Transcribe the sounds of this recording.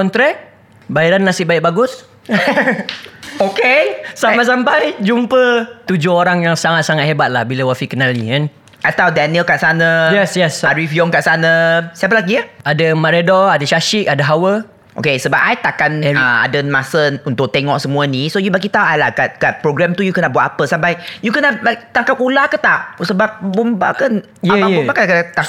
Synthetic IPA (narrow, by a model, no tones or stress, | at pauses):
kɔnt̪ɾɛk̚ | baiɾanːasɪʔbaiʔ̚baɡʊs | okesapajsampajd͡ʒumpət̪ud͡ʒʊɦoɾaŋjaŋsaŋat̪̚saŋat̪hebat̪̚lahbiləwafikənalikan | ʔajt̪audaniəlkaʔsanãjɛsjɛsaɾifjɔŋkaʔsanəsəapəlaɡiaadəmaɾedɔadəʃaʃik̚adəɦawə | ʔo̰kesəbap̚ʔajt̪akanɛɹiaa̰dənmasəunt̪ʊk̚t̪ɛŋɔʔsəmũənĩsojubaɡit̪aʔajlahkat̪̚kat̪̚pɾoɡɾamt̪ujukənaʔbuat̪̚apəsampajjukənabat̪aŋkap̚kulakət̪asəbap̚bumba̰kən | jababubakakət̪a